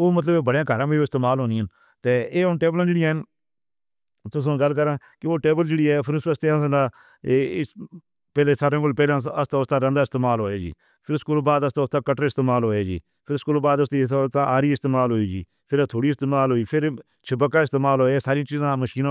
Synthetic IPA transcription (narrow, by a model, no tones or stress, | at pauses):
oːmət̪̬ləbebəɽãːɡʱəɾãːbiːoːɪst̪eːmaːlɦoːniːən | t̪eːeːʊnʈeːblãːd͡ʒeːɽɪjãːɦɪn | t̪ʊs̬õːɡəlkəɾãːkɪoːʈeːbəld͡ʒeːɽiːɛːpʰɪɾʊsəst̪ẽsnaː | pɛːlẽːsaːɾẽːɡəːlpɛːlãəst̪aːʊst̪ãːɾə̃nd̪aːɪst̪eːmaːlɦoːeːd͡ʒḭː | pʰɪɾskuːlːbaːd̪əst̪aːʊst̪ãːkəʈəɾɪst̪eːmaːlɦoːeːd͡ʒḭː | pʰɪɾskuːlːbaːd̪əst̪iːst̪ãːʔaːɾiːɪst̪eːmaːlɦoːiːd͡ʒiː | pʰɪɾaːt̪ʰoːɽiːɪst̪eːmaːlɦoːiːpʰɪɾ | t͡ʃʰəbəkːaːɪst̪eːmaːlɦoːeːsaːɾĩt͡ʃiːzãːməʃiːnã